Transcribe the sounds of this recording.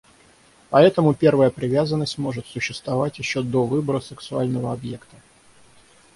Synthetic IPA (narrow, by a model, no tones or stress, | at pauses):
pɐɛt̪əmʊpʲe̞rvəjəpɾʲɪvʲazənːəsʲtʲmo̞ʐɨt̪sʊɕːɪst̪vɐvatʲjɪɕːo̞d̪o̞vɨbəɾəsɨksʊalʲnəvəɐbje̞kt̪ə̥